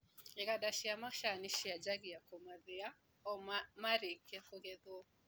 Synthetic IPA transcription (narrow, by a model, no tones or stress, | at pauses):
eɣadaʃiamaʃaniʃiad͡ʒaɣiakomaðɪa | ɔmamaɾekiakoɣɛðɔ